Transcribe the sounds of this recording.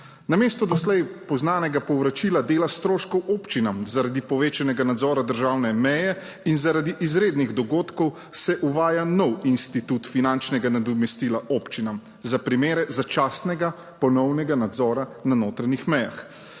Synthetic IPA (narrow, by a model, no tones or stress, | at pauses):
nameːst̪ɔd̪ɔslɛjpɔznaːnɛɡapɔwʋɾat͡ʃiːlad̪eːlast̪ɾoːʃkɔwʔoːpt͡ʃinamzaɾad̪ipɔʋeːt͡ʃɛnɛɡanad̪zɔːɾad̪əɾʒaːwnɛmɛjɛ | inzaɾad̪iʔizɾeːd̪niɣd̪ɔɡoːt̪kɔw | sɛʔuʋaːjanɔwinst̪it̪ut̪finant͡ʃnɛɡanad̪ɔmɛst̪ilaʔopt͡ʃinam | zapɾimeːɾɛzat͡ʃaːsnɛɡa | pɔnɔwnɛɡanad̪zɔːɾananoːt̪ɾanixmɛja̰x